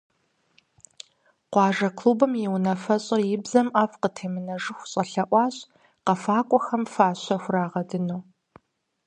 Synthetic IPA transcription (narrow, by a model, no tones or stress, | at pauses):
qʷɑːʒɐkʰluːbɨmjɛwnɐfɐɕʼɐjɪbzɐmaːfqətʰeːmɨnɐʐɨxʷɕʼɐɬɐʔʷɑːɕʼ | qɐfaːkʷʼɔxɐmfaːɕʷɐxʷraːʁɐdɨnoː